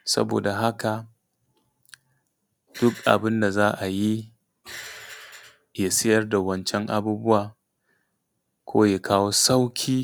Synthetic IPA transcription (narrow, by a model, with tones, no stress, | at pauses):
sɐ̰˦bo̰ː˨da˨ɦa˦ka˨ | d̥ʊ˦kʔa̰˨bɪ˦nda˨zaː˦ʔa˨ji˦ | jaː˦sɪ˦jɐ˦rda˨wɐ˦nt͡ʃɛ˦ŋʔa̰˦buː˦bʊ˦waː˨ | kʷʰoː˦ja˨kʰaː˦woː˦sa˦wkʲʰiː˦